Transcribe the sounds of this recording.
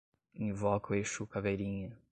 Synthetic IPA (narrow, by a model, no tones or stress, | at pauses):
ĩvɔkɐeʃukaveɾĩɲɐ